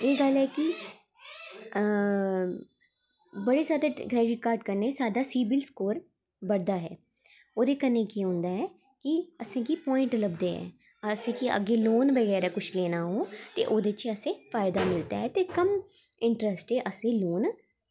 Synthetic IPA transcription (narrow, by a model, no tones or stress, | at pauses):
eːɡəlɦɛːki | bəɽesaːd̪ekɾɛːɖɪʈ̚kaːɾɖkəɾnesaːd̪aːsiːbɪlskoːɾ | bəɽd̪aːɦɛ̰ː | oːd̪eːkənekeɦʊ̃nd̪aːɦɛː | kiəsẽːkipɔːɪ̃ɳʈləbd̪eːɦɛ̰ː | əsẽːkiʔə̰ɡeːloːnbəɣɛːɾaːkʊt͡ʃʰleːnaːɦoːt̪ḛʔoːd̪et͡ʃəsẽːfaːɪd̪aːmɪlt̪a̰ːɦɛːt̪eːkəmɪ̃ɳʈɾəsʈɦɛʔəsẽloːn